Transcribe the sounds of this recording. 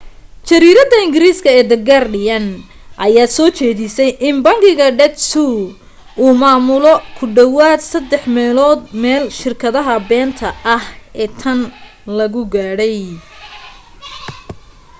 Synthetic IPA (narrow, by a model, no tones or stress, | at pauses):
t͡ʃɐɾiːɾɐd̪ɐɪŋɡɪɾiːskʰɐɛːd̪ɐɡarɖɪjɐn | ʔɐjaːsɔːt͡ʃɛːðɪsɛjʔɪnbɐŋkʰɪɣɐɖɛt̪su | ʔuːmaːmʊlɔkʰʊɖɐwaːd̪sɐd̪ɛħmɛːlɔːd̪mɛːlʃɪrkʰɐðɐɦɐbɛːnt̪ʰɐʔɐhɛːt̪ʰɐn | lɐɣʊɡaːɽɛj